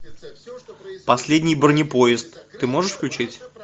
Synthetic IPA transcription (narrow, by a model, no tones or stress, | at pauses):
pɐsʲlʲedʲnʲɪjbərnʲɪpo̞ɪst̪ːɨmo̞ʐɨʂfklʲʉt͡ɕitʲ